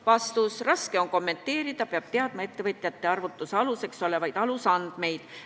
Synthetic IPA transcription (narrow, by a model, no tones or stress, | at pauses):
vɑst̪usrɑske̞o̞nko̞mːe̞nt̪ːe̞ːɾid̪̥ɑpe̞ɑb̥t̪eɑd̪̥mɑe̞t̪ːe̞vɤt̪ʲˑjɑt̪ːˑe̞ɑrvut̪ːˑuseɑluse̞kso̞le̞vɑjd̪̥ɑlusɑnd̪̥me̞jd̪̥